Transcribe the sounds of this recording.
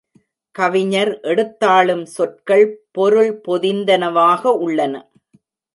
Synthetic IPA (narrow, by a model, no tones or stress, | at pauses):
kɐʋɪɲɐɾʔɛɽɯt̪ːaːɭɯmsɔʈ̚kɐɭpɔɾɯɭpɔðɪnd̪ɐnɐʋaːɣɐʊɭːɐnɐ̰